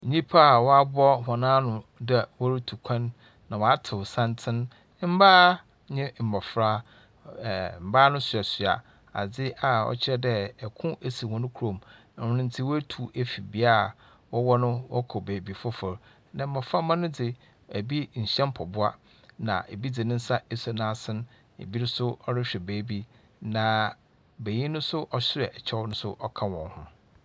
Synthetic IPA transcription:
n̩˨ɲĩ˦pʰa˦˨wɔ˦a˦bɔ˦hɔ̃˨nãː˦nʊ̃˨dɛ˨wɔ˦ɾi˦tʰu˨kʷʰã˦nː | ã˨wɔ˨a˦tʰɪ˨wsã˦ntʰɪ̃˦n˦ | m̩˦baː˦ | ɲɪ̃˦m̩˨ma˨fɾa˦˨ | m̩˨baː˦nʊ̃˦sɥa˨sɥa̰˨ | a̰˨d͡zɪ˦ʔa˨ɔ̰˨t͡ɕʰɪ˦ɛ˦dɛ˦ɛ˨kʰʊ̃˦ʔæ˨si˨hɔ̃˨nʊ̃˦kʰu˦ɾõ˨m | ã˨wʊ̃˨nʊ̃˦n̩˦tʰɪ˦wɔ˦æ˦tʰu˨ʔe˦fi˨bi˨˦a˦˨ | wɔ˦wɔ˦nʊ̃˦wɔ˦kʰɔ˨beː˨bi˨fʊ˦fʊ˨ɾ | nã˨˦mã˨fa˦mã˦nʊ̃˦dɪ˨ | æ˨bi˦ɲ̩˨ɕɛ̃˦m˦pʰɔ˨bʊ˦a˦ | nã̰˨ʔe˨bi˦d͡zɪ˨nɪ̃˦n̩˦sa˦e˦so˦nã˦sɪ̃˦n | ḛ˨bi˦ɾɪ˦sʊ˦ɔ˦ɾɪ˦ɕᶣɛ˨beː˨˦bi˦ | nã˨ | be˨ɲĩ˦nʊ̃˦sʊ˦ʔɔ˨ɕɪ˦ɾɛ˨ɛ˨t͡ɕʰɛ˦wnʊ̃˦sʊ˦ʔɔ˦kʰã˦wɔ̃˨nhʊ̃˦

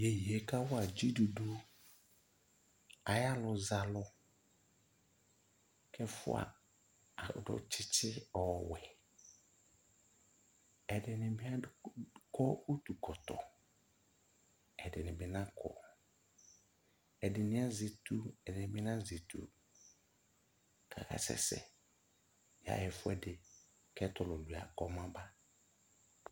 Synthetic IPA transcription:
je˨ji˨e˨ka˦wʊ˦a˨d͡ʒi˦du˨du˦ | a˨ja˦lʊ˨za˨lʊ˦ | kʰɛ˦fʊ̰˦a̰˨ | dɔ̰˨t͡ʃʰɪ˦t͡ʃɪ˦ɔ˨wɛ˨ | ɛ˨dɪ˨nɪ̃˨mɪ˦a˦kɔ˦o˦tu˨kʰɔ˨tɔ̰˨ | ɛ˨dɪ˨nɪ̃˨bɪ˦nã˦kʰɔ̰˨ | ɛ˨dɪ˨nɪ̃˦a˦ze˨tu˦ɛ˨dɪ˨nɪ̃˨bɪ˦nã˦ze˨tʰṵ˨ | kʰa̰˨kʰa̰˨sɛ̰˦sɛ̰˨ | ja̰˨ɛ˨fʊ˦ɛ˦dɪ˨ | kɛ˦tɔ˨lʊ˨lu˨a̰˨kɔ˨mã˦ba˦

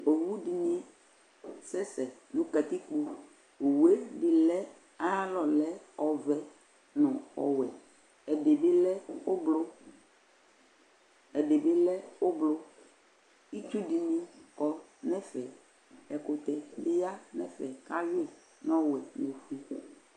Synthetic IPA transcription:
o˨wu˦di˨nĩ˦ | sɛ˦sɛ˨nũ˨˦ka˨t̪ɪ˦k͡po˦ | o˨we˦dɪ˨lɛ˦ | a˦a˦lɔ˨lɛ˦ɔ˨vɛ˨ | nʊ̃˨ɔ̰˨wɛ˨ | ɛ˨de˨bɪ˦lɛ˦ʊ˦blʊ˦ | ɛ˨de˨bɪ˦lɛ˦ʊ˦blʊ˦ | i˦tu˦di˨nĩ˦kɔ˨nɛ˦fɛ˨ | ɛ˨kʊ˨t̪ɛ˨bɪ˦ja˦nɛ˨fɛ˨ka˦jɪ˦˨ | nɔ̃˦wɛ˨no˨fu˦i˦

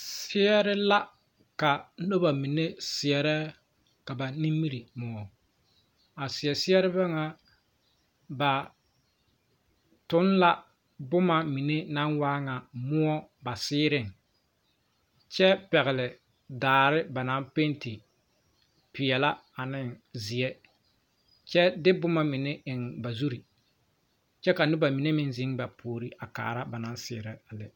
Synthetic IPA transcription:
sɪ˦ɛ˦ɾɪ˦la˦ | ka˨˦no˦ba˨mi˨ne˦sɪ˨ɛ˨ɾɛ˦ | ka˨ba˨ni˦mːi˦ɾi˨mʊ˨ɔ˨ | a˨sɪ˨ɛ˨sɪ˦ɛ˦ɾɪ˦ba˦ŋa˨ | ba˨ | tʊ˦nla˦ | bʊ˦ma˨mi˨ne˦na˦nwaː˦ŋa˨mʊ˦ɔ˦ba˨sɪː˦ɾɪ˦˨ŋ | t͡ʃɛ˦pɛ˨ɣɪ˨lɪ˨ | daː˨ɾɪ˦ba˨na˦mpe˦nti˨ | pɪ˨ɛ˨la˦ | a˨nɪ˦˨ŋzɪ˨ɛ˦ | t͡ʃɛ˦dɪ˦bʊ˦ma˦mɪ˨ne˦ʔɪ˨ŋba˨zu˦ɾi˨ | t͡ʃɛ˦ka˨nʊ˦ba˨mi˨ne˦mɪ˦nzɪ˦ŋba˨pʰoː˨ɾi˦ʔa˨ka̰ː˨ɾa˦ba˨na˨˦nsɪː˦ɾɪ˨a˨lɪ˨

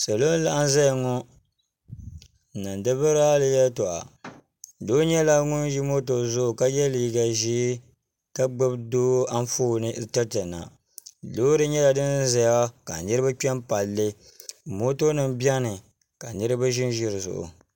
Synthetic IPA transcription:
sa˨lo˦n˦la˦ʔa˦n˦za˦jŋɔ˦˨ | nɨ˨n˨dɨ˦bɨ˦ɾa˦lɨ˦jɛ˦to˨ʔa̰˨ | do˦ɲɛ˦la˦ŋʊ˦nji˦mo˦t̬o˨zʊ˦ʔʊ˨ka˦jɛ˦li˨ɡa˨ʒi˦ | ka˦ɡ͡bɨ˦bdoː˦a˦n˦foː˦˨nɨ˦˨tɛ˦tɨ˨na̰˨ | loː˦dɨ˦ɲɛ˦la˨dɨ˦nza˨ja˦ka˨nɨ˦ɾɨ˦ba˦k͡pɛ˦mpa˨lːɨ˦ | mo˦to˦nɨ˦m˦bja˦nɨ˨ | ka˨nɨ˦ɾɨ˦ba˦ʒɪ˦n˦ʒɪ˦ɾɨ˨zʊ̰˨ʔʊ̰˨

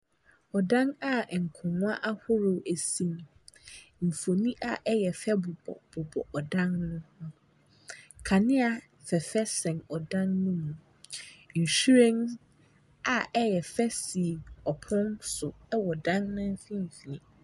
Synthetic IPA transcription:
ɔ˨dã˦na˨ŋ̩˨kʰʊ̃˨nʊ̃˦a˦ʔa˦hʊ˦ɾʊ˨æ˨sĩ˦m | m̩˨fo˨nĩ˦ʔa˨ʔɛ˦jɛ˨fɛ˦bʊ˨bɔ̰˨b̥ʊ˨bɔ̰˨ʔɔ˨dã˦nːʊ̃˦hʊ̃˦ | kʰa˨nɪ̃˦a˨ | fɛ˨fɛ˦sɛ̃˨nɔ˨dã˦nːũ˦mũ˨ | ɪ˨n̩˨ʃu˦ɾɛ̃˦ns | a˨ɛ˦jɛ˨fɛ˦si˨ɔ˨pʰʊ̃˦nsʊ˨ɛ˦wɔ˨dã˦nnʊ̃˦fĩ˦m˨fi˨nĩ˨

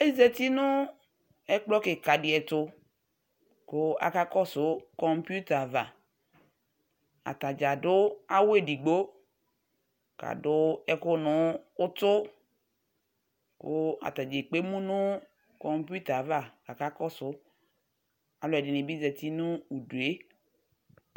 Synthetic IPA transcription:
e˦zɛ˨t̪i˦nʊ˦ | ɛ˦k͡plɔ˦kɪ˨ka˨dɪ˨ɛ˨t̪ʊ˦ | kʊ˦a̰˨ka˦kɔ˦sʊ˨˦kɔ˨˦mpu˦t̪a˨va˨ | a̰˨t̪a˨d͡ʒa˨dʊ˦a˦we˦di˨ɡ͡bo˦ | ka̰˨dʊ˦ɛ˨kʊ˦nʊ̃˨˦ʊ˦tʊ˦ | kʊ̰˦a̰˨t̪a˨d͡ʒe˨k͡pe˦mũ˦nʊ̃˦ | kɔ˨mpu˦t̪a˨va˨ka˨ka˦kɔ˦sʊ˦ | a˨lʊ˦ɛ˨dɪ˨nɪ̃˨bi˦zɛ˨t̪i˦nʊ̃˦u˨du˨e˦

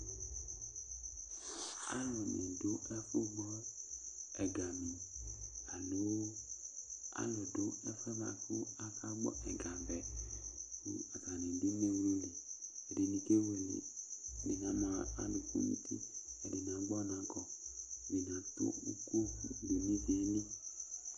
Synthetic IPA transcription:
a̰˦lɔ˨nḛ̃˨do˦ɛ˦fo˦ɡ͡bɔ˦ɛ˨ɡa˨mĩ˨a˨lo˦ | a̰˦lɔ˨do˦ɛ˦fɛ˦ma̰˨fo˦a˦kʰa˦ɡ͡bɔ̰˦ʔɛ˨ɡa˨bɛ˨ | nḭ˦a˨ka˨nĩ˨du˦me˦wlo˦li˨ɛ˨de˨nĩ˨ke˦we˨lḭ˨be˨nã˨˦mã˨˦a˦lo˨kṵ˦mḭ̃˦t̪ʰḭ˦ɛ˨de˨nã˨˦ɡ͡bɔ˦nã˨˦ɡɔ˨be˨nã˨˦to̰˦u˦ko˦be˨nĩ˦vi˨ɛ˨nĩ˦

